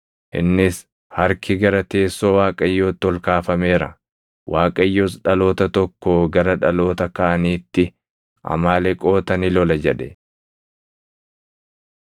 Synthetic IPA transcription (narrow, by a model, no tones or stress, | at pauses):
ʔɪ̰nːɪs | hɐɾkʰɪɡɐɾɐt̪e̞ːsːo̞ːwaːkʼɐjːo̞ːt̪ːɔlkaːfɐme̞ːɾɐ | wʔaːkʼɐjːoːsᶑɐlo̞ːt̪ɐt̪ɔkːoːɡɐɾɐᶑɐlo̞ːt̪ɐkɐʔɐniːt̪ːɪ | ʔɐ̰maːlɛkʼo̞ːt̪ɐnɪlɔlɐd͡ʒɛᶑɛ